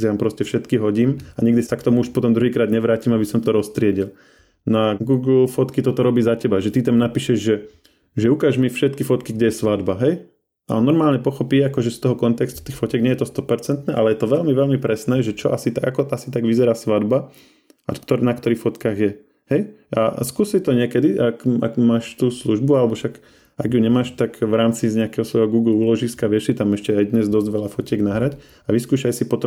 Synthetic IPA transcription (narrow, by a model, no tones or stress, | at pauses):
t̪ampɾɔscɛfʃɛt̪kiɦɔɟiːmaɲɛɡd̪isakt̪ɔmuuʃpɔt̪ɔmd̪ɾuɦiːkɾaːd̪ɲɛʋɾaːciːmabisɔmt̪ɔɾɔst̪ɾɪɛɟil | naɡuːɡl̩fɔt̪kit̪ɔt̪ɔɾɔbiːzacɛbaʒɛt̪it̪amnapiːʃɛʒʒɛ | ʒɛukaːʒmifʃɛt̪kifɔt̪kiɡɟɛjɛsʋad̪baɦɛj | a̰nɔɾmaːlɲɛpɔxɔpiːakɔʒɛst̪ɔɦɔkɔnt̪ɛkst̪u̥t̪iːxfɔcɛːɡɲɛjɛt̪ɔst̪ɔpɛɾt͡sɛnt̪nɛːʔalɛjɛt̪ɔʋɛʎmiʋɛlmipɾɛsnɛːʒɛt͡ʃɔʔasit̪aɡakɔasit̪aɡʋizɛɾaːsʋad̪ba | kt̪ɔnakt̪ɔɾiːxfɔt̪kaːɣjɛ | hɛjʔa̰skuːsit̪ɔɲɪɛkɛd̪iʔakʔa̰ɡmaːʃt̪uːsluʒbualɛbɔʃak | aɡjuɲɛmaːʃt̪aɡʋɾaːmt͡siɲɛakɛːɦɔsʋɔjɦɔɡuːɡluːlɔʒiskaʋɪɛʃsit̪amɛʃcɛajd̪ɲɛzd̪ɔzɟʋɛʎafɔcɪɛɡnaɦɾac | aʋiskuːʃajsipɔt̪ɔ